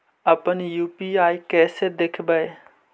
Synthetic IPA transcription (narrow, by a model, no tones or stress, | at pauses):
ɐpənjuːpiaːikɛːsed̪eːkʰbəe